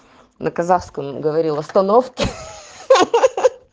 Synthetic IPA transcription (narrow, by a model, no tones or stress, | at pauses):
nʔəkɐzafskəmɡəvɐɾʲilˠɐst̪ɐnofkʲɪ